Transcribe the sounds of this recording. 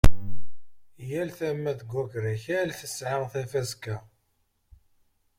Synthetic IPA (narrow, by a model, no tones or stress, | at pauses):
jælθæmːæðəɡʷːækɾæçælθəsːʕəʁθæfæskæ